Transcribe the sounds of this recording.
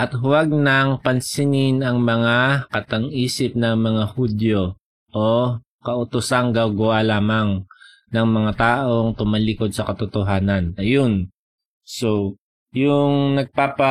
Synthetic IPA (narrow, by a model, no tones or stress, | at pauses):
ʔɐt̪ɦwɐɡ̚nɐŋpɐnsɪnɪnɐŋmɐŋakɐt̪ɐŋʔiːsɪp̚nɐŋmɐŋahud̪jo | ʔo | kɐʔʊt̪ʊsaŋɡaɡʊwalaːmɐŋ | nɐŋmɐŋat̪aːʔo̞ŋt̪ʊmalɪko̞d̪̚sɐkɐt̪ʊt̪oɦaːnɐnɐjon | so | jʊŋnɐɡ̚paːpɐ